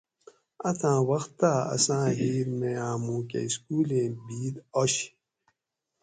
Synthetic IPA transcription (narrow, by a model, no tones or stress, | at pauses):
ɐt̪ʰãːwɐxt̪ːaɐ̰sãːɦiːɾmeãːmũːkḛiskuːlẽːbiːd̪oɕ